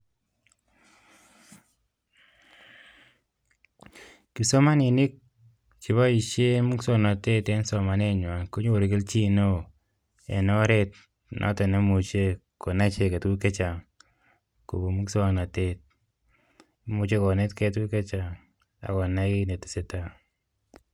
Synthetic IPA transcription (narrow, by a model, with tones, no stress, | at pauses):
ki˨so˦ma˦ni˨nɪ˦k̚ | t͡ʃi˨βa˦i˨ʃe˦mu˦kso˦nɔ˨te˦te˦nsɔ˨ma˨ne˦ɲwa˨nko˦ɲo˦o˨ɾi˨kɪ˦lt͡ʃi˦no˦ | ḛ˨no˦ɾe˦t | nʔɔ̰˨˦ta˨ne˦mu˨t͡ʃe˦ko˨na˦t͡ʃe˨ke˨tu˦ke˦t͡ʃa˨ŋ | ko˨bo˨mu˦kso˦˨na˨te˦t̚ | mu˨t͡ʃe˦ko˨ne˦tke˦t̬u˦ke˦t͡ʃa˨ŋ | a̰˨kɔ˨na˦ki˦ne˨ti̥˨se˨ta˦